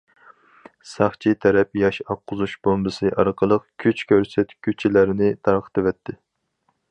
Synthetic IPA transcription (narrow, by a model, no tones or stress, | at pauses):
sɑχt͡ʃʰit̪ʰɛɾɛpjɑʃɑqʰːʊzuʃbombɨsɨʔɑ̰ɾqʰəlˠəqkʲʰyt͡ʃkʲʰøɾsɛt̪kʲʰyt͡ʃʰilæɾɪnɪt̪ʰɑɾqʰə̥t̪ʰɨvɛt̪ʰːɪ